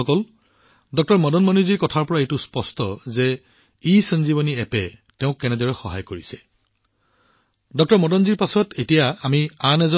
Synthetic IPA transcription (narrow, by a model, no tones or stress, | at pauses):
ɔkɔl | dɔk̚tɔɹmɔdɔnmɔnuziɹkɔtʰaɹpɔɹaetuspɔstɔzɛ | isənzibɔniɛpɛtɛʊ̃kːɛnɛdɔɹɛxɔɦa̰jkoɹisɛ̥ | dɔk̚tɔɹmɔdɔnziɹpasɔtʰetijaamianɛzɔ